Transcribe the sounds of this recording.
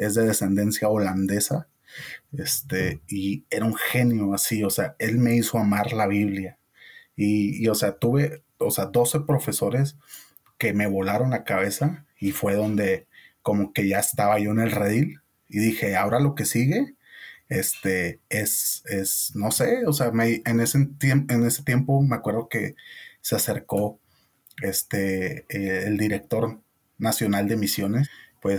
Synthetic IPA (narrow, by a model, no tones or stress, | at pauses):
e̞zðe̞ðe̞se̞nd̪e̞nsjao̞land̪e̞sa | est̪eie̞ɾauŋxe̞njo̞asio̞seae̞lme̞iso̞amaɾlaβ̞iβlja | iːo̞se̞at̪uβe̞ | oseaðo̞se̞pɾo̞fe̞so̞ɾe̞s | ke̞me̞β̞o̞laɾo̞nlakaβ̞e̞sa | ifwe̞ðo̞nd̪e̞ko̞mo̞ke̞ʝaest̪aβaʝo̞ene̞lreðil | iðixe̞ao̞ɾalo̞ke̞siɣe̞ | est̪eesesno̞se̞oseameieneset̪ene̞set̪je̞mpo̞me̞akwe̞ɾð̞o̞ke̞sease̞ɾko̞ | est̪eː | ld̪iɾe̞k̚t̪o̞ɾ | nasjo̞nald̪e̞misjo̞ne̞spwe̞s